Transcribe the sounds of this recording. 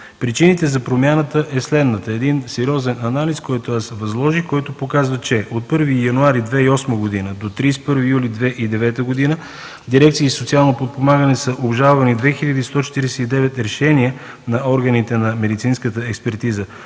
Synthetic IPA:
pɾit͡ʃinit̪ɛzɐpɾomjanət̪əʔɛslɛd̪nət̪əɛd̪insɛɾiɔzɛnɐnaliskɔjt̪oasvɐzlˠɔʒikɔjt̪opokazvət͡ʃɛot̪̚pɤɾvijɐnuaɾid̪vɛiɔsməɡod̪inəd̪ot̪ɾispɤɾvijulid̪vɛʔid̪ɛvɛt̪əɡod̪inə | d̪iɾɛkt̪siːsot̪sialˠnopot̪̚pomaɡənɛsəʔobʒalˠvɐnid̪vɛxilʎʲəd̪iːst̪ɔt͡ʃɛ̥t̪iɾɛsɛid̪ɛvɛt̪ɾɛʃɛniə | nɐɔɾɡənit̪ɛnɐmɛd̪it̪sinskət̪əɛkspɛɾt̪izə

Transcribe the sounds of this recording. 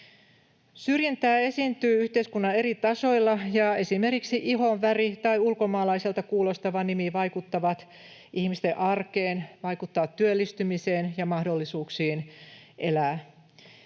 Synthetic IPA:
syrjænt̪æːe̞sint̪yːyht̪eiskunːɑe̞rit̪ɑso̞ilːɑjɑe̞sime̞rkiksiʔiɦoʋʋærit̪ɑiulko̞mɑːlɑiselt̪ɑkuːlo̞st̪ɑʋɑnimiʋɑjkut̪ːɑʋɑt̪ | ihmist̪eʔɑrkeːnʋɑikut̪ːɑʋɑt̪ːyølːist̪ymiseːnjɑmɑhdo̞lːisuːksiːnʔelæː

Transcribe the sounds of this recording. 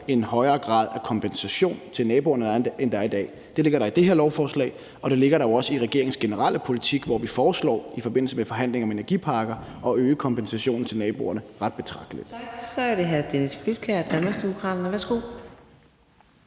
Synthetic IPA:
e̝nhɒ̽ɪɐːɡ̥ʁɑ̈ːð̞ˠækʰɒ̽mpʰensæɕo̝̰ːnt͡sʰe̝lnɛːbo̝ːɐnədend̥ɑɐid̥ɛ̰ː | d̥e̝le̝ɡ̥ɐɾ̥ɑ̈id̥e̝ɦeɐlɒʊfɒːslɛ̰ɪ | ɒ̽ɾ̥e̝le̝ɡ̥ɐɾɑ̈joɒ̽səiʁɛɡ̥e̝ɐeŋ̩sɡ̥e̝nəʁɑ̈l̰ʔəpʰo̝lit͡sʰiɡ̥ʋɒʋifɒːslɒ̰ːifɒ̽b̥e̝n̰l̩səmefɒ̽ɦæn̰le̝ŋɒ̽me̝næɐɡ̥ḭːpʰɑ̈ːɡ̥ɐʔɒ̽øːəkʰɒ̽mpensæɕo̝̰ːn̩t͡sʰe̝lnɛːb̥o̝̰ːɐnəʁɑ̈d̥̚b̥e̝t͡sʰʁɑ̈ɡ̥d̥əlid̥sɒæɐɾeɦæɐd̥enisflyd̥̚kʰæɐd̥ænɐsd̥e̝mo̝kʰʁɑ̰̈ːd̥ɐnəʋæɐsɡ̥o̝̰ː

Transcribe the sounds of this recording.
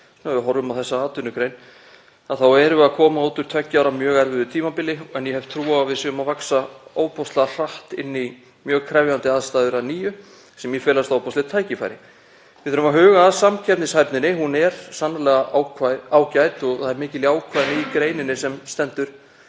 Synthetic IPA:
snɛvɪɦɔɾvʏmawθɛsːaaːt̪ʏnːʏkɾejn | aðθawɛɾʏakʰɔːmaoːwt̪ʏɾ̥t̪ʰvɛcːɪawɾamjœːɣɛɾvɪðʏt̪ʰiːmapɪlːɪɛnjɛhɛvt̪ʰɾuːavɪðsɛnmavaksaoːwpɔst̪lar̥aht̪ɪ̰nːi | mjœːɣkʰɾɛvjant̪ɪaːðst̪aːðʏɾaðniːjʏ | sɛmjɛfɛːlast̪aːwpɔst̪ɪt̪ʰaːjcɪfa̰jɾɪ | vɪðθʏɾʏmaɦʏːɣaːðsamcʰɛp̪nɪshajpnɪnɪhunɛɾ̥sanːalɛːɣawʰaaːwcajt̪ɔɣθaðɛɾmɪːcɪliaːwkʰvaðnɪikɾejnɪnɪsɛmst̪ɛnt̪ʏɾ̥

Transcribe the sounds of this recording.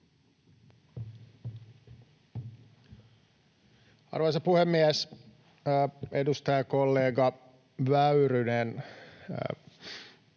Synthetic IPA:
ɑ̰rʋojsɑpuhemːiæs | edust̪ɑjɑkolːeːɡɑ | ʋæyrynen

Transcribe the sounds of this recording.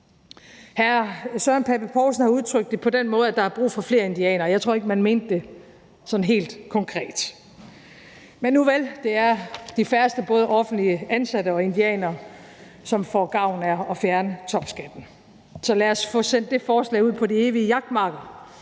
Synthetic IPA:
hæɐsœɐnpʰeb̥əpʰɒːʊsn̩hɑ̈uðˠt͡sʰʁœɡ̥̚d̥epʰɒ̽d̥enmɔ̽ːð̞̩ˠæd̥ɑ̈hæɐb̥ʁṵːfɒ̽fle̝ːɐe̝nd̥iɛ̰ːnɐːjɑt͡sʰʁo̝ɐe̝ɡ̥əmænme̝ːnd̥e̝ | sɒ̽nɦe̝̰ːld̥kʰɒ̽ŋkʰʁɛ̰ːd̥ | menːuʋeld̥e̝æɐd̥ifæɐsd̥əb̥ɔ̽ːð̞ˠəʔɒ̽fn̩d̥liəænsæd̥əɒ̽e̝nd̥iɛ̰ːnɐː | sɒ̽mfɒɡ̥ɑ̈ʊ̰næɒ̽fjæɐnət͡sʰɒ̽b̥sɡ̥æd̥n̩ | sɒ̽læɐsfɔ̽sen̰dd̥e̝fɒːslɛ̰ːɪuð̰ˠpʰɒ̽die̝ːʋiəjɑ̈ɡ̥̚d̥mɑ̈ɡ̥ɐ

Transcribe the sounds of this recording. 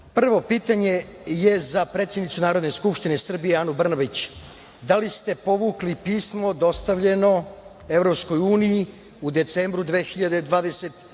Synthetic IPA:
pr̩ʋo̞piːt̪aɲe̞je̞zapɾet̪sʲjed̪nit̪sunaːɾo̞d̪ne̞skupʃt̪ine̞sr̩bije̞anubr̩nabit͡ɕ | d̪alist̪e̞po̞ʋuːklipiːsmo̞d̪o̞st̪aʋʎe̞no̞ | e̞vɾopsko̞juːniji | ud̪e̞t̪se̞ːmbɾud̪ʋeːxiʎad̪ed̪ʋaːd̪e̞se̞t̪

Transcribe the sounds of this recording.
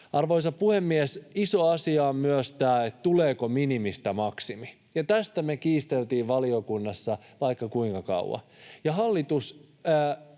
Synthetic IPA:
ɑrʋoisɑppuhemːiɛsisoɑsiɑommyøst̪æːet̪t̪uleːkominimist̪æmɑksimi | jɑt̪æst̪æmekiːst̪elt̪iːʋʋɑliokunːɑsːɑʋɑikːɑkuiŋkɑkɑ̰uw̰wɑ̰jɑɦɑlːit̪usː

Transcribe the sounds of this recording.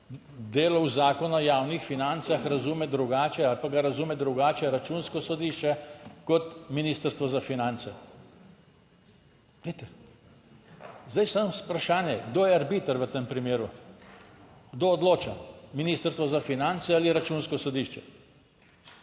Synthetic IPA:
d̪eːlɔwzaːkɔnɔjaːwnixfinant̪saxɾazuːmɛd̪ɾuɡaːt͡ʃɛalpaɡaɾazuːmɛd̪ɾuɡaːt͡ʃɛɾat͡ʃunskɔsɔd̪iʃt͡ʃɛkɔt̪miniːst̪əɾst̪ʋɔzafinant̪sɛ | let̪ɛ | zd̪ajsamspɾaʃaːnjɛɡd̪oːjɛaɾbit̪əɾʋət̪empɾimeːɾu | ɡd̪oːd̪loːt͡ʃaminiːst̪əɾst̪ʋɔzafinant̪sɛaliɾat͡ʃuːnskɔsɔd̪iʃt͡ʃɛ

